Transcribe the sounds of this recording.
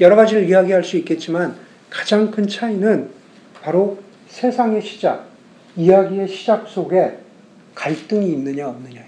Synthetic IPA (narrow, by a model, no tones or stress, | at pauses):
jʌɾʌɣad͡ʑiɾɯɭiaɡiɦaɭs͈uik͈e̞t̚t͡ɕ͈iman | kḁd͡ʑaŋkʰɯnt͡ɕʰainɯn | paɾo | sʰe̞sʰaŋe̞ɕʰi̥d͡ʑak̚ | ijaɡie̞ɕʰid͡ʑak̚s͈oɡe̞ | kaɭt͈ɯŋiːnːɯɲaʌmnɯɲao